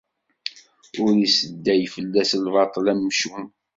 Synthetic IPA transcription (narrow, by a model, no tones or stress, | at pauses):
ʊɾisəd̪ːæjfəlːæslvɑt̪ˤlæmːʃum